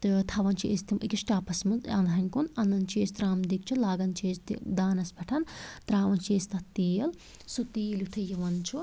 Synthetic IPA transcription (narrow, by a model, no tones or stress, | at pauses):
t̪ɨt̪ʰɐʋɐnt͡ʃʰiʔest̪ʰimʔikiʃʈaːpʰɐsmɨnzɐnd̪ɦɐnʲkunɐnɐnt͡ʃʰeːst̪ɾaːmd̪ik̚t͡ʃʰulaːɡɐnt͡ʃʰeːsd̪aːnɐsbɐʈʰɐnt̪ɾaːʋɐnt͡ʃʰeːst̪ɐt̪ːiːɐl | sut̪iːlʲut̪ʰɨjiʋɐnt͡ʃʰu